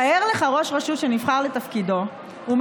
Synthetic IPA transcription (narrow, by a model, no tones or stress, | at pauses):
aeʁleχaʁo̞ʃʁaʃuʃenifχaʁlet̪afkido̞ | um